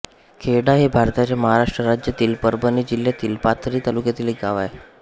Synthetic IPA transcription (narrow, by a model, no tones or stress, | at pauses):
kʰeɽaɦebʱaɾt̪at͡ɕjaməɦaɾaʂʈɾəɾad͡ʑjat̪iːlpəɾbənid͡ʑiljat̪iːlpat̪ʰɾiːt̪alukjat̪iːleɡaʋaj